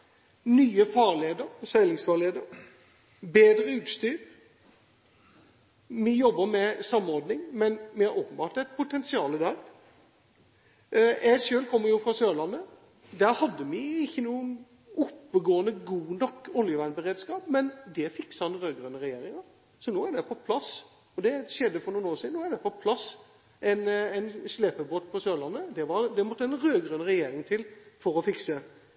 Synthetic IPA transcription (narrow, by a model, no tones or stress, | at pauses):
nyːəfɑːʁleːd̪əɾsæɪlɪŋsfɑːɾleːd̪əɾ | beːd̪ɾəʉːt̪st̪yːɾ | mɪjɔbːəmɛsɑmːɔɾd̪nɪŋmɛnmɪhɑɾoːpən̩bɑːʈ̪ɛt̪̚pʰʊt̪ʰɛnsɪɑːləd̪æːɾ | ʔæsøːlkʰɔmːəɾjʊfɾɑsøːlɑnːə | d̪æɾhɑd̪ːəmɪɪçːənuːən | ʊpːəɡoːənəɡuːnɔkːʊljəʋæɪnbəɾeːd̪skɑːpmɛnd̪ɛfɪksɑnɾøːɡɾøːnəɾɛjeːɾɪŋəɾ | sɔnoːæɖ̪ɛpʰɔpʰlɑs | ɔd̪ɛʃɛd̪ːəfɔɾnuːnoːsiːd̪noːæɖ̪ɛpʰɔpʰlɑs | ʔɛɪnæɪnsleːpəboːt̪pʰɔsøːlɑnːəd̪ɛʋɑɾd̪ɛmɔt̪ːəɛnɾøːɡɾøːnəɾɛjeːɾɪŋt̪ʰɪlfɔɾɔfɪksə